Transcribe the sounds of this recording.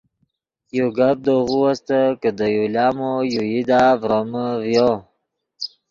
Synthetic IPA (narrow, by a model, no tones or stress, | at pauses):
joɡab̚d̪oɣuwast̪əkəd̪əjuljɑːmojujid̪avɾoməvjo